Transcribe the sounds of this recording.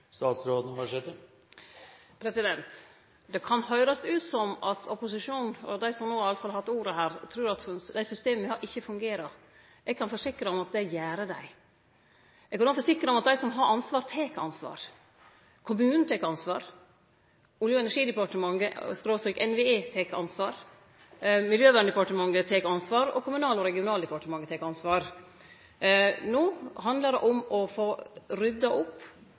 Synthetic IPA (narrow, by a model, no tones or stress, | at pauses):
st̪ɑːt̪sɾoːd̪nʋæʈʰeːt̪ə | pʰɾɛsɪd̪ɛnt̪ | d̪ɛkʰɑnhœʏɾɑst̪ʉːt̪sɔmɑt̪ʰɔpʊsɪʂuːnɔd̪æɪsɔmnoːhɑɾɑləfɑlɑhɑt̪ːuːɾəhæːɾt̪ʰɾʉːɾɑt̪fd̪æɪsʏst̪eːməɪhɑɾʔɪçːəfʉŋɡeːɾɑ | ɛɡ̚kʰɑnfɔʂɪkːɾəɔmɑt̪̚d̪ɛjæːɾəd̪æ̰ɪ | ɛɡkʰɑnoːfɔʂɪkɾəɔmɑt̪̚d̪æɪsɔmɦɑɾʔɑnsʋɑːɾt̪ʰeːkɑ̰nsʋɑ̰ːɾ | kʰʊmʉːnn̩t̪ʰeːkɑnsʋɑ̰ːɾ | ʊljʊɛnæʂiːd̪əpɑʈəmɑŋːəskɾoːst̪ɾiːkɛnʋeeːt̪ʰeːkʔɑ̰nsʋɑːɾ | mɪljøːʋæɳəɖd̪ɛpɑʈəmɑŋːət̪ʰeːkɑnsʋɑːɾɔ̰kʰʊmʉnɑːlɔɾɛɡɪʊnɑːld̪əpɑʈəmɑŋːɡət̪ʰeːkɑnsʋɑːɾ | noːhɑnd̪ləɾɛ̰ʔɔmɔfoːɾʏd̪ːɑʔʊpː